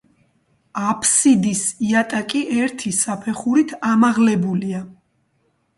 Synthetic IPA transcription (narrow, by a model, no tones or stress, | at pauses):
apʰsid̪isiat̪ʼakʼiʔɛɾt̪ʰisapʰɛχuɾit̪ʰamaʁlɛbulia